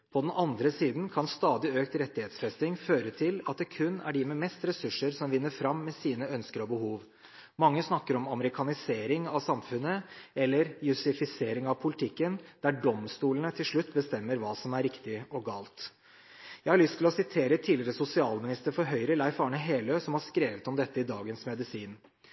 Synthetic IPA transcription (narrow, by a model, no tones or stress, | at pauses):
pʰɔd̪ɛnʔɑnd̪ɾəsiːd̪n̩kʰɑnst̪ɑːd̪ɪøːkt̪ɾɛt̪ːɪheːt̪sfɛst̪ɪŋføːɾət̪ʰɪlɑt̪̚d̪ɛkʰʉnːæ̰ɖɪmɛmɛst̪ɾɛsʉʂːəɾsɔmʋɪnːəɾfɾɑmːɛsiːnəœnskəɾɔbəhuːʋ | mɑŋːəsnɑkːəɾɔmɑməɾɪkʰɑnɪseːɾɪŋɑʋsɑmfʉnːəɛlːəɾjʉsɪfɪseːɾɪŋɑʋpʰʊlɪt̪ʰɪkːənd̪̥æɖɔmst̪uːlənət̪ʰɪlʂɭʉt̪ːbəst̪ɛmːəɾʋɑːsɔmæɾɪkt̪ɪɔɡɑːlt̪ | jæɪhɑɾɭʏst̪ʰɪlɔsɪt̪ʰeːɾət̪ʰiːlɪəɾəsʊsɪɑːlmɪnɪst̪əɾfɔɾɦœʏɾəlɑɪfɑːɳəɦeːløːsɔmhɑʂkɾeːʋət̪ɔmd̪ɛt̪ːəɪd̪ɑːɡənsmɛd̪ɪsiːn